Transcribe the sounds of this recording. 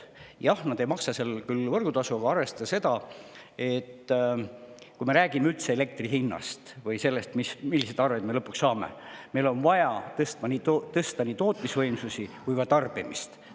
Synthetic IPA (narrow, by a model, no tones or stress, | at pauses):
jɑhnɑd̪̥e̞jmɑksɑselkylvɤrɡ̥ut̪ɑsuɡ̥ɑɑɾve̞st̪ɑse̞d̪̥ɑe̞t̪ː | kujme̞ɾæːɡ̥imeylt̪se̞ele̞k̚t̪riɦinːɑ̰st̪vɤjse̞lːe̞st̪mismilːised̪ɑrved̪melɤpːˑuksːɑːmḛme̞jlo̞nvɑjɑt̪ɤst̪mɑnʲiːt̪ot̪ɤst̪ɑniːt̪o̞ːt̪ˑmisvɤjmsusʲikujkɑt̪ɑrb̥imist̪